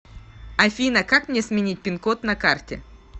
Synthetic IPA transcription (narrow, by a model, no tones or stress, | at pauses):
ɐfʲinəkakmnʲesmʲɪnʲit̚ʲpʲɪnkot̪nɐkartʲɪ̰